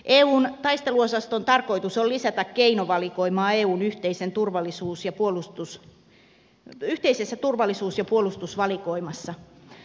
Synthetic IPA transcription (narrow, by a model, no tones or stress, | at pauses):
ʔeːuːnt̪ɑist̪eluosɑst̪ont̪ɑrkoit̪usolisæt̪ækkeinoʋɑlikoimɑːeːuːnyht̪eisent̪urʋɑlːˑisuːsjɑpuolust̪us | yht̪eisesːæt̪urʋɑlːisuːsjɑpuolust̪usʋɑlikoimɑsːɑ